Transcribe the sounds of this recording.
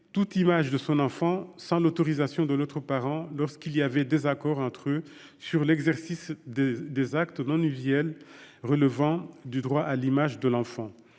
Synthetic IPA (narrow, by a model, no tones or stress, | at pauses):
t̪ut̪imaʒd̪əsɔ̃nɑ̃fɑ̃sɑ̃lot̪ɔʁizasjɔ̃d̪əlot̪χəpaʁɑ̃lɔʁskiliavɛd̪ezakɔʁɑ̃t̪χø | syʁlɛɡzɛʁsisd̪ezakt̪nɔ̃nyzjɛlʁələvɑ̃d̪yd̪ʁwaʔalimaʒd̪əlɑ̃fɑ̃